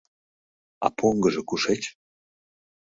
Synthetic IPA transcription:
ɑ̰pʰoŋɡə̆ʒĕkuʃet͡ɕ

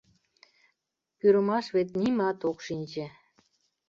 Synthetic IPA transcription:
pyɾəmɑʃβet̪nimɑt̪okʃinʲt͡ɕe

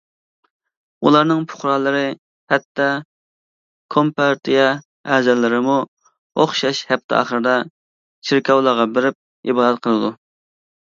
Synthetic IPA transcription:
ulˠɑɾnɨŋpʰʊ̥χɾɑlˠəɾɨ | hɛt̪ːɑ | kʰompɑɾt̪ʰijɑ | ɛzɛlːɪɾɪmu | oχʃɑʃhɛp̚t̪ʰɪ̰ɑ̰ːχəɾɨd̪ɑ | t͡ʃʰiɾkʲʰɑwlˠɑʁɑbɪɾɪp̚ | ibɑːd̪ɛt̪̚qʰəlˠɨd̪u

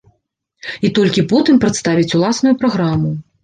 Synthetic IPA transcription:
it̪ɔlʲkʲipɔt̪ɨmpɾɐt̪st̪avʲit͡sʲulˠasnujupɾaɣɾamu

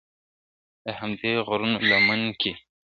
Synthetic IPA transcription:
d̪̥əhamd̪eɣɾunlaməŋkʰe

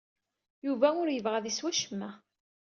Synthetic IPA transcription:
juvæʊɾjəvʁæðiswæʃəmːæ

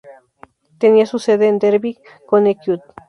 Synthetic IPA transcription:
t̪eniasuseðend̪eɾbik | kːonekjut̪̚

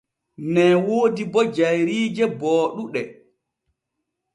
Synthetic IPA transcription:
nɛːwoːdibɔd͡ʒajɾiːd͡ʒɛbɔːɗuɗɛ

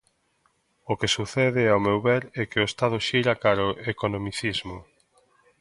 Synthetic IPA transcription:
okesuθɛðɪawmewβɛɾɛkɪʊest̪aðʊʃejɾakaɾoekonomiθizmo

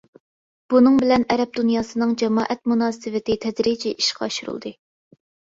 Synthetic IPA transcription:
b̥unɨŋbɪlɛnɛɾɛp̚d̪unjɑːsɨnɨŋd͡ʒɛmɑːʔɛt̪̚munɑːsɨvɪt̪ɪt̪ʰɛd̪ɾid͡ʒʰɛʔiʃqʰɑːʃuɾṵlˠd̪ɨ

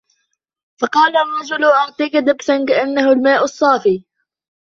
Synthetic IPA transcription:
fɑqɑːlarˤːɑd͡ʒʊlʔɑʕt̪ˤiːkad̪ɪbsankaʔanːahʊlmaːʔʊsˤːɑːfiː

